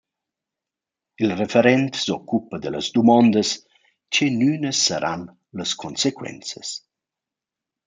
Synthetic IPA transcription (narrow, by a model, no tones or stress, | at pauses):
ilrefeɾɛnt̪sɔkːupəd̪ələzd̪umɔnd̪əs | t͡ʃenynəsːəɾʔa̰n | ləskʰonsekwɛ̰nt͡səs